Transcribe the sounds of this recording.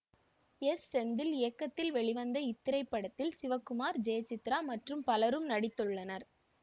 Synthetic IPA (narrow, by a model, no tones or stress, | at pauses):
ɛsːɛnd̪ɪlɪjɐkːɐt̪ːɪlʋɛɭɪʋɐnd̪ɐɪt̪ːɪɾɐɪpːɐɽɐt̪ːɪlsɪʋɐkːʊmaːɾd͡ʒɛjɐt͡ʃːɪt̪ːɾaːmɐʈrɯmpɐlɐɾɯmnɐɽɪt̪ːɯɭːɐnɐɾ